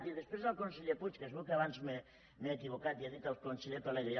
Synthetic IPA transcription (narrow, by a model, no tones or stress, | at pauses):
t̪iðespɾezalkonsiʎeput͡ʃkasβukeaβansme | meekiβokat̪iaðit̪alkonsiʎepaleɣoja